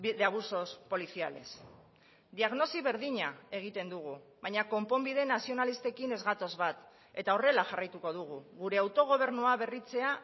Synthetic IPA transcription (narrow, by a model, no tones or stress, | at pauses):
iðeaβuso̞spo̞liθia̰le̞̰s | d̪iaɣno̞siβ̞e̞ɾðiɲae̞ɣ̞it̪e̞nd̪uɣ̞uβaɲako̞mpo̞mbiðe̞nasio̞nalist̪e̞kine̞zɣat̪o̞zβat̪ | e̞t̪ao̞re̞laxarajt̪uko̞ðuɣ̞uɣuɾe̞awt̪o̞ɣ̞o̞β̞e̞ɾnuaβe̞rit͡se̞a